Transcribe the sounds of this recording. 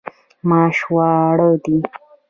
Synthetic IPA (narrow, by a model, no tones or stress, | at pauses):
mɑːʃwɑːɽod̪i